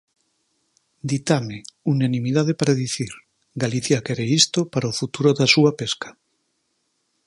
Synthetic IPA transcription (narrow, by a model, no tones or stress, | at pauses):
d̪it̪ameunanĩmiðað̞epaɾaðiθiɾ | ɡaliθjakeɾeist̪opaɾaofut̪uɾoðasuapeskḁ